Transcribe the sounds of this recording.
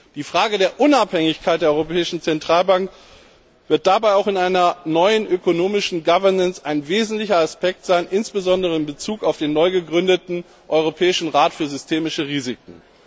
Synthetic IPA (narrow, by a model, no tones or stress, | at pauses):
d̥iːfʁ̥aːɡədeːɐʔʊnaphɛŋɪçkʰaɪt̚d̥eːɐɔʏʁopʰɛːɪʃn̩t͡sɛntʁ̥aːlbaŋk | v̥ɪɐt̚d̥abaɪaʊxɪnaɪnɐnɔʏənʔøkonoːmɪʃn̩ɡavɐnənsaɪnveːzn̩tlɪçɐaspɛk̚tz̥aɪnʔɪnsb̥əzɔndəʁ̞əɪnbət͡suːkaʊfd̥eːnːɔʏɡəɡʁʏndətn̩ | ʔɔʏʁ̞opʰɛːɪʃn̩ʁaːtfyːɐzʏstʰeːmɪʃəʁiːzɪk̚ŋ̩